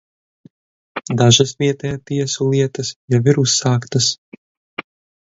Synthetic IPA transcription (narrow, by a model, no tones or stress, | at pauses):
d̪aʒasviɛt̪ɛjat̪iɛsulˠiɛt̪asjaviɾusːaːkt̪ɐs